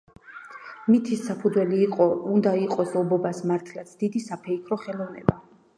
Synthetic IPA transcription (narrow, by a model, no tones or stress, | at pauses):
mit̪ʰisːapʰud̪zwɛliːqʼɔund̪aiqʼɔsɔbɔbasmaɾt̪ʰlat̪sʰd̪̥id̪isapʰɛikʰɾɔχɛlˠɔvnɛ̰ba